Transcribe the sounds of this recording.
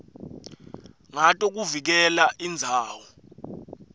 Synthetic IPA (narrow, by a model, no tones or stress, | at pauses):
ŋatʼɔk̬uvik̬ɛlaʔind͡zʱaːwɔ